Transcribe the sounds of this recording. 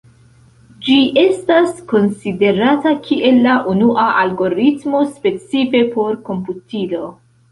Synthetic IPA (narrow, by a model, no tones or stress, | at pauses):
d͡ʒiʔe̞stasko̞nside̞ɾatakʰiʔe̞lːaʔunuʔaʔalɡo̞ɾitmo̞spe̞t͡sife̞po̞ɾko̞mputilo̞